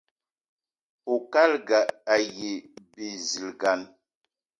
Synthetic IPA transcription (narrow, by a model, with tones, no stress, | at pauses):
po˨ka˦lɡa˨a˨je˨bi˨zi˨lɡa˨n